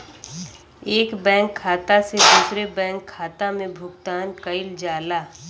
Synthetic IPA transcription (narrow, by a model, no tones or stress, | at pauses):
eːkbɛ̃ːŋkʰːaːt̪ased̪uːsɾebɛ̃ːŋkʰːaːt̪amẽbʱʊɡt̪aːnkəɪld͡ʒaːlaː